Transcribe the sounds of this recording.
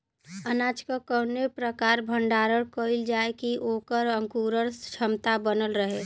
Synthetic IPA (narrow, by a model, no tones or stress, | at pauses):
ənat͡ʃkəkəɾnepɾəkaɾbʱəɳɖaɾəɽkəild͡ʒaekiʔokəɾəŋkuɾəɾt͡ʃʰəmt̪abənəlɾəɦe